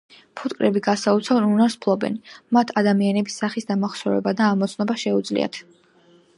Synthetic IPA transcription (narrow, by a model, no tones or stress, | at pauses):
pʰut̪kʼɾɛbiɡasaut̪sʰavɛnunaɾspʰlˠɔbɛ̰nimat̪ʰad̪amianɛbisːaχisd̪amaχsɔɾɛ̰bad̪aːmɔt̪sʰnɔbaʃɛud̪zlḭa̰t̪ʰ